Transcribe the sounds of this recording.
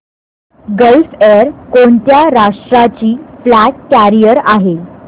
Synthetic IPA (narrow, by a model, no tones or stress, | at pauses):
ɡəlfeɾkoɳt̪jaɾaʂʈɾat͡ɕiːflækːæɾijəɾaɦe